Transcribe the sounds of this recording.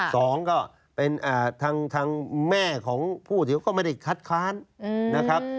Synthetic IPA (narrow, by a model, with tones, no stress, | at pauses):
sɔː˩˦ŋkɔː˥˩ | pe˧nʔaː˨˩t̪ʰaː˧ŋt̪ʰaː˧ŋmɛː˥˩kʰɔː˩˦ŋpʰuː˥˩t̪ʰi˩˦wkɔː˥˩ma˥˩da˥˩jkʰa˦˥t̪̚kʰaː˦˥nːa˦˥kʰɾa˦˥p̚